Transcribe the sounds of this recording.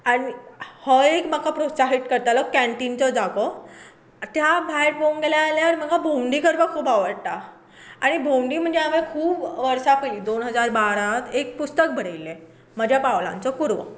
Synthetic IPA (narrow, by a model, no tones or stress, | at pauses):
aɽ̃ihɔekməkːapɾosaɦiʈkəɾt̪alɔkæɳʈint͡səd͡zakɔ | t̪jabʱajʈboŋɡeljaːljaɾm̤əɡabʱowɳɖiːkəɾpəkʰuːbaʋəɾɽʈ̪a | aɽ̃ibʱowɳɖiːm̤əɳd͡zeamekʰuːbʋəɾsakəliːd̪onɦəd͡zaɾbaɾat̪ek̚pust̪ək̚bʱəɽ̤ejlːe | məd͡ʑʱjapaʋlã̰nt͡səkuɾʋə̰